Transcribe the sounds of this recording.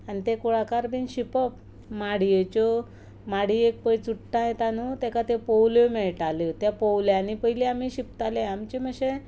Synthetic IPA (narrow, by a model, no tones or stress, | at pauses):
anit̪ekuɭakaɾbinɕipəp | maɽijet͡ɕo | maɽiek̚pəjt͡suʈːãjet̪anut̪ɛ̃kat̪epəwlomɛɭʈalot̪japəwljanipəɦileamiɕipt̪aleamt͡ɕeməɕe